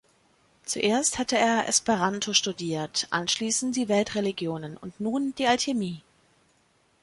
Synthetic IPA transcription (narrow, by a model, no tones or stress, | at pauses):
t͡suʔeːɐsthatəeːɐʔɛ̰speʁantʰoʃtudiːɐtʔa̰nʃliːsn̩td̥iːvɛltʁeliɡjoːnənʊ̰ntnuːnd̥iːalçemiː